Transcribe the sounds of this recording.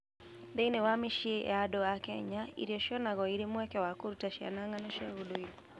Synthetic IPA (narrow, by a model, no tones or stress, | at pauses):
deinewameʃiḛadɔakɛɲaḭɾiɔʃɔnaɣɔiɾemwɛkɛwakoɾutaʃia̰naŋanɔʃaodoi